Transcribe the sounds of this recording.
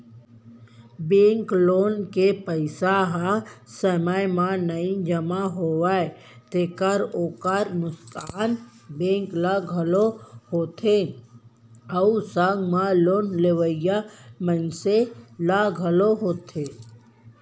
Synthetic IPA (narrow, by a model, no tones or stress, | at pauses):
bẽːŋkloːnkepəɪsaɦasəməjmãnəĩd͡ʒəmaɦowae | t̪ekəɾoːkəɾnʊst̪aːn | bẽːŋklaɡʱəlohoːt̪ʰe | əusaŋɡmãloːnleʋəjamənselaɡʱəloɦoːt̪ʰeː